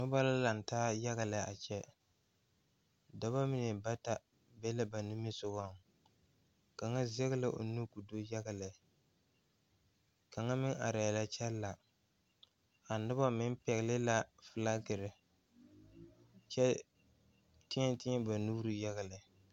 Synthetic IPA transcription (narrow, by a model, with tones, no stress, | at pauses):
nʊ˦ba˦la˦la˨n˨taː˦ja˦ɣa˨lɪ˨a˨t͡ʃɛ˦ | da˦ba˦mɪ˦ne˨ba˦ta˦ | bɛ˦lɪ˦ba˨nɪ˦mɪ˦sʊ˨ɡa˦ŋ˨ | ka˨ŋa˦zɛ˦ɣlɪ˦ʔo̰˨nu˦ku˨do˦ja˦ɡa˨lɛ˨ | ka˨ŋa˦mɪ˦ŋʔa̰˨ɾa˨la˦t͡ʃɛ˦lːa˨ | a˨nʊ˦ba˦mɪ˦m˦pɛ˨ɣɪ˨lɪ˦la˦fɨ˨la˦ɡɪ˨ɾɪ˨ | t͡ʃɛ˦ | tɪ˦ɲɛ˦tɪ˦ɛ˦ba˨nu˦ɾu˦ja˦ɣa˨lɪ˨